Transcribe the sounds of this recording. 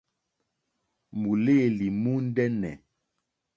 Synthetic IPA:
mu˨leː˦˨li˨mu˦n̩˦dɛ˦nɛ̰˨

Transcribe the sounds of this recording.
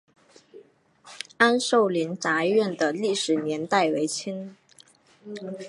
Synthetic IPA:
a˥nʂo˥˧ʊli˧˥nt͡sa˧˥ɥɛ˥˩nd̪ə˩li˥˩ʂɻ̩˨˩njɛ˧˥nt̪a˥˩ɪwe˧˥ɪt͡ɕʰi˥n

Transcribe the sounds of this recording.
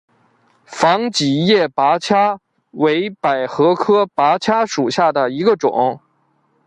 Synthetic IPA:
fɑ˧˥ŋt͡ɕi˨˩˦jɛ˥˩pa˧˥t͡ɕʰja˥ | we˧˥ɪpa˨˩ɪxɤ˧˥kʰɤ˥pa˧˥t͡ɕʰja˥ʂu˨˩ɕja˥˩d̪ə˩i˧˥ɡə˧ʈ͡ʂʊ̰˨˩˦ŋ

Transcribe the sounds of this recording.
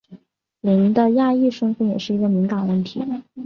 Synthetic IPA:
li˧˥n˥d̪ə˧ja˥˧i˥˩ʂə˥ŋfə˧˥njɛ˨˩ʂɻ̩˥˩i˧˥ɡə˧mi˧˥ŋkɑ˨˩nwə˥˩nt̪ʰḭ˧˥

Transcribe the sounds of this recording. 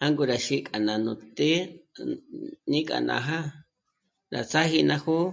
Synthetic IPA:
a˦ŋɡu˧ɾa˨ʃi˧kʼa˨nã˨nũ˨t̪e˦ | nĩ˦kʼa̰˨nã̰˧˨ɦa˦ | ɾa̰˨t͡sa˦hi˧nã˧hu˦

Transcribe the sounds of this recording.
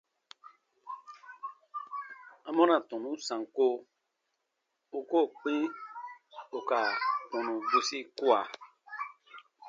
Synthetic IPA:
ã˨mɔ̃˦nã˨tɔ̃˨nũ˨˦sã˨ŋ˨ko˦ | u˦ko˦˨k͡pĩ˦ | o˨ka˨kɔ̃˨nũ˨bu˨si˦ku˦a˨

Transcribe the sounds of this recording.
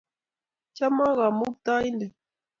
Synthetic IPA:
t͡ʃa˦ma˦ɣa˨mu˦p̚ta˦i˦ndɛ˨

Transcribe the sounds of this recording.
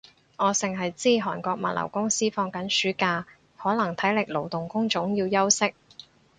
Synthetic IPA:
ŋɔː˨˧sɪ˨ŋɦɐ˨jt͡siː˥ɦɔː˨˩nkɔː˧k̚mɐ̰˨t̚lɐ̰˨˩wkʊ˥ŋsiː˥fɔː˧ŋkɐ˨˥nsyː˨˥kaː˧ | hɔː˨˥lɐ˨˩ŋt̪ʰɐ˨˥jlɪ˨k̚lo˨˩wt̪ʊ˨ŋkʊ˥ŋt͡ʃʊ˨˥ŋjiː˧wjɐ˥wsɪ˥k̚

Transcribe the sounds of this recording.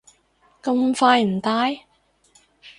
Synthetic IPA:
kɐ˧mfaː˧jm̩˨˩t̪aː˧˥j

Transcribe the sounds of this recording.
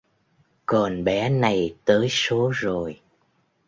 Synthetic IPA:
kɔ˨˩nɓɛ˨˦na˨˩jt̪əː˨˦jso˨˦zo˨˩j

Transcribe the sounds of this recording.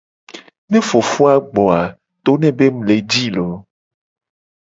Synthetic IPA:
nɛ̃˦fo˨fu˦a˨ɡ͡bɔ˨a˨ | t̪o˦nɛ̃˦be˦mũ˨le˨d͡ʑi˦lɔ˨˦

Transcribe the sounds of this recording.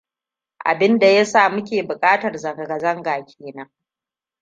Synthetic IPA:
ʔa̰˨bɪ˦nda˨ja˦sa˦˨mʊ˦kʲeː˨bʊ˨kʼaː˦tɐ˨rzɐ˨ŋɡɐ˨ɡɐ˨zɐ˦ŋɡaː˨kʲʰeː˨nɐ˦ŋ

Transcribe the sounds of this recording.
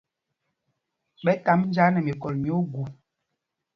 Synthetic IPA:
ɓɛ˦ta˨˦mn̩˦d͡ʒa˦nɛ˨mi˨kɔ˨lmi˨˦o˦ɡu˨

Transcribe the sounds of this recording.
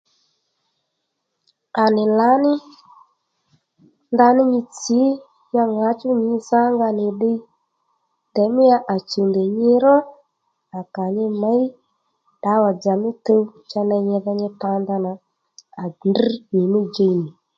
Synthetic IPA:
a˨nɪ˨la˨˦nɪ˦ | nd̪a˧nɪ˦ɲɪ˧t͡si˨˦ | ja˧ŋa˨˦t͡ʃʊ˦ɲɪ˨˧˦sa˦ŋɡa˧nɪ˨ɗɪ˧ | tɛ˨˦mɪ˦ja˧ʔa˨t͡ʃu˨ndɛ˨ɲɪ˧ɾɔ˦ | a˨ka˨ɲɪ˧ma˨˦i˦ | ɗa˨˦wa˨d͡za˨mɪ˦tə˧˦t͡ʃa˧nɛ˧ɲɪ˧ða˧ɲɪ˧ta˧nd̪a˧na˨ | a˨ndr̩˦ɲɪ˨mɪ˦d͡ʒe˧˨nɪ˨

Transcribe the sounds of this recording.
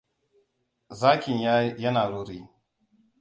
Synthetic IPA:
zaː˦kʲɪ˨ɲja˦jɐ˦naː˨ɾuː˦ɾiː˦

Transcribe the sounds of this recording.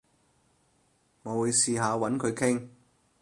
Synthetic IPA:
ŋɔː˨˧wuː˨˧jsiː˧ɦaː˨˧wɐ˨˥nkʰɵ˨˧ɥkʰɪ˥ŋ

